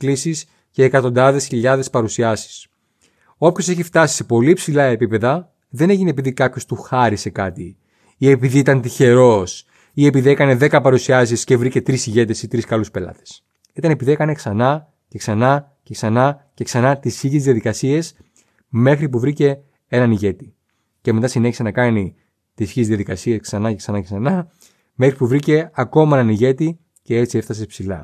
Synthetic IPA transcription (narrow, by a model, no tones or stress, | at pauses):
klisis | ce̞ːkɐt̪o̞nd̪ɐðe̞sçiʎɐðe̞spɐɾusiɐsi̥s | o̞pço̞se̞çift̪ɐsi̥se̞po̞lipsilɐepipe̞ðɐ | ðe̞ne̞ʝinep̬iðikɐpço̞st̪uxɐɾise̞kɐt̪i | ie̞piðiit̪ɐnt̪içe̞ɾo̞s | ie̞piðiekɐne̞ðe̞kɐpɐɾusiɐsisce̞vɾice̞t̪ɾisiʝe̞t̪e̞sit̪ɾiskɐluspe̞lɐ̰t̪e̥s | it̪ɐne̞piðiekɐneksɐnɐ | ce̞ksɐnɐ | ce̞ksɐnɐce̞ksɐnɐt̪isiʝizðiɐðikɐsie̞s | me̞xɾip̬uvɾice̞ | e̞nɐniʝe̞t̪i | ceme̞t̪ɐsine̞çisenɐkɐni | t̪isçizðiɐðikɐsie̞sksɐnɐceksɐnɐcesɐnɐ | me̞xɾipuvɾice̞ɐko̞mɐe̞nɐniʝe̞t̪i | ce̞et͡siefθɐs̬espsilɐ̰